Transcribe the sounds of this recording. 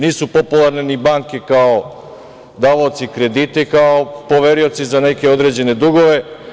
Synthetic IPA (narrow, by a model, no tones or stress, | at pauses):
niːsupo̞pulˠaɾnenibaŋke̞kao | d̪aːʋaot̪sikɾe̞d̪it̪ekaopo̞ʋeɾio̞t̪sizane̞ke̞o̞d̪ɾe̞d͡ʑe̞ne̞d̪uɡo̞ʋe̞